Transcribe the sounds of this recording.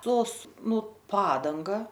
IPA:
ˈtoːs ˈnʊ ˈpɑːdɐŋɡɐ

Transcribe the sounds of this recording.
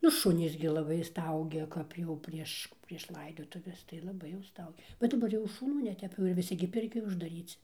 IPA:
nʊ ˈʃʊnʲiːs ɡʲɪ lˠɐˈbɐɪ ˈstɐʊɡʲɛ ˈkɐp jɛʊ ˈpʲrʲiɛʃ pʲrʲiɛʃ ˈlˠɐɪdoːtʊʋʲɛs tɐɪ lˠɐˈbɐɪ jɛʊ ˈstɐʊɡʲɛ bʲɛt dɐˈbɐr jɛʊ ʃʊˈnuː nʲɛˈtʲɛp jɛʊ ɪr ʋʲɪˈsʲɪ ɡʲɪ ˈpʲɪrʲkʲoːj ʊʒdɐˈrʲiːt͡sʲɪ

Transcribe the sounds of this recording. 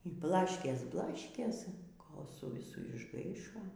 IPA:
iː ˈblˠɑːʃʲkʲeːs ˈblˠɑːʃʲkʲeːs ˈkoːlˠ sʊ ʋʲɪˈsʊ ɪʒˈɡɐɪʃoː

